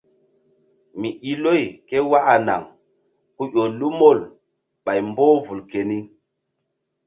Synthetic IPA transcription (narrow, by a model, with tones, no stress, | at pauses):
mi˨i˦lo˦˨jke˦wa˦ʔa˨na̰˨ŋ | ku˦jo˨lu˦mo˦˨l | ɓa˨jmbo˦vu˨lke˨ni˦